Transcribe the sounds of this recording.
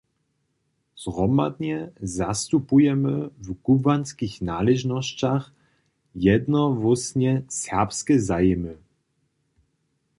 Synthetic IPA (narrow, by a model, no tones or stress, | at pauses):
zʁɔma̰d̪ɲɛzast̪upujɛmɘvɡubanskʲixnalɛʒnɔɕt͡ɕax | jɛd̪nɔvɔsɲɛsɛʁpskɛzajɛmɘ